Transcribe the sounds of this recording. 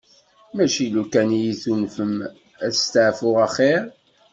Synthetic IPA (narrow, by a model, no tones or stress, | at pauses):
mæʃilukænjiθunfəm | æ̥st̪əʕfʊʁæχeɾ